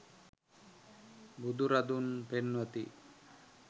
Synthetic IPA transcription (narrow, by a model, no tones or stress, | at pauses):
bud̪uɾad̪unpenʋət̪ḭ